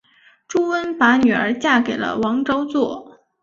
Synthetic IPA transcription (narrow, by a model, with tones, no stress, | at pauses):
ʈ͡ʂu˥wə˥npa˧˥ny˨˩ə̰˞˧˥t͡ɕja˥˩ke˨˩ɪlə̰˦wɑ˧˥ŋʈ͡ʂo˥ʊt͡swɔ˥˩